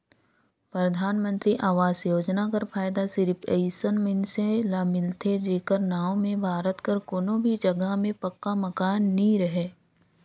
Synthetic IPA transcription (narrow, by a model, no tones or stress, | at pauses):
pɾɐd̪ʱaːnmə̃nt̪ɾiʔaːʋaːzjoːd͡ʒnakəɾpʰaːjd̪asɪɾpʰeɪsənmɪnselaːmɪlt̪ʰed͡ʒeːkəɾnaːõmẽbʱaːɾət̪kəɾkoːnõbʱid͡ʒɐɡəɦmẽpɐkːamɐkaːnːĩɾəɦeː